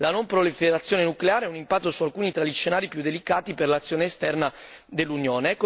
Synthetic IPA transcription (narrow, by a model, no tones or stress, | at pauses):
lanompɾolifeɾat̪sːjoːnenukleaːɾeɛunimpat̪ːosualkuːnit̪ɾaʎisʃːenaːɾipjud̪ːelikaːt̪iperlat̪sːjoːneːst̪ɛrna | d̪elːunjoːneɛkːo